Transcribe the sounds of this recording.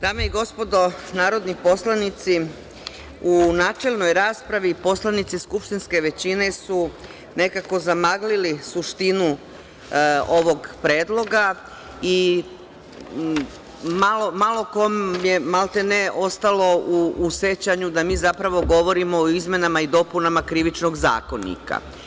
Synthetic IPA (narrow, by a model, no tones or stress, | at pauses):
d̪̥aːmeiɡo̞spo̞d̪o̞naːɾo̞d̪nipo̞slanit̪si | unaːt͡ʃe̞lˠno̞jɾaːspɾaʋipo̞slanit̪siskupʃt̪inske̞ʋe̞t͡ɕine̞su | ne̞kako̞zamaɡlilisuʃt̪inu | o̞ʋo̞ɡpɾeːd̪lˠo̞ɡa | i | malomalˠo̞komjemalˠt̪eneʔo̞st̪alo̞uːse̞t͡ɕaɲud̪amiːzapɾaʋo̞ɡo̞ʋo̞ɾimo̞ːizme̞namaid̪o̞punamakɾiʋit͡ʃno̞ɡza̰ːkonḭka̰